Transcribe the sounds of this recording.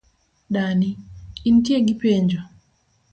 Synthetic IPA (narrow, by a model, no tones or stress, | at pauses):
ɗaniintjeɡipeɲd͡ʒo